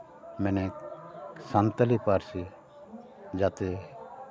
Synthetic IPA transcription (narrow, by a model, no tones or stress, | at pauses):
mɛːne | sant̪əlipaɾsi | d͡ʒaːt̪e